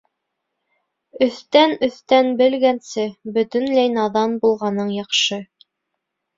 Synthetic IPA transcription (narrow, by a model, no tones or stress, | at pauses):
ɵ̆θt̪ænɵ̆θt̪ænbɘ̆lɡænsɘbɵ̆t̪ɵ̆nlæjnɑðɑnbulˠʁɑnɤɴjɑqʃɤ